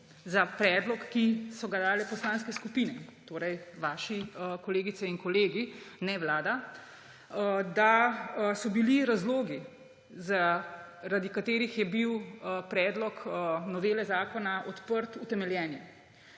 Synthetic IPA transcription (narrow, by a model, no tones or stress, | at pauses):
zapɾɛːd̪lɔkːisɔɡad̪aːlɛpɔslaːnskɛskupiːnɛt̪oːɾɛjʋaːʃikɔleːɡit̪sɛinkɔleːɡinɛʋlaːd̪a | d̪asɔbiliɾazloːɡi | zaɾad̪ikat̪eːɾixjɛbiwpɾɛːd̪lɔknɔʋeːlɛzaːkɔnaʔɔt̪pəɾt̪ut̪ɛmɛljɛːni